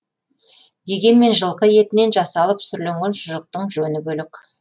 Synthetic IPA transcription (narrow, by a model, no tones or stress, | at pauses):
d̪e̞ɡʲe̞nme̞nʒəlˠqəje̞t̪ɪne̞nʒɑsɑlˠəpsʏɾle̞ŋɡʲenʒʊʒəq̚t̪əɴʒɵnɪbɵlɪkʲ